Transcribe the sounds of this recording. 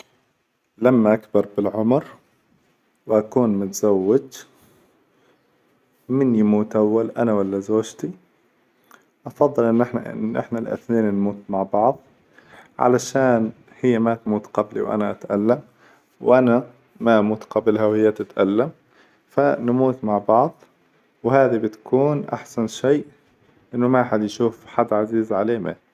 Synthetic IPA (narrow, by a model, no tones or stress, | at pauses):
lamːaʔakbɑɾˤbɪlʕʊmɾ | wʔakuːnmʊt̪z̥awːɪd͡ʒ | mɪnjmuːt̪ʔawːalʔanawalːazoːʒt̪i | ʔɑfɑðˤːɨlʔɪnːʔɪħnaʔɪ̰nːʔɪ̰ħnalʔɪ̰θneːnnmuːt̪maʕbɑʕðˤ | ʕa̰laʃaːn | hɪjːamat̪muːt̪qɑblḭwʔa̰naʔat̪ʔalːam | wʔana | maʔamuːt̪qɑblɦawhɪjːat̪ɪt̪ʔalːam | fanmuːt̪maʕbɑʕðˤ | whaːðibɪt̪ḁkʰuːnʔa̰ħsanʃeːʔ | ʔɪnːʊmaħad̪jʃuːfħad̪ːʕaziːzʕaleːma̰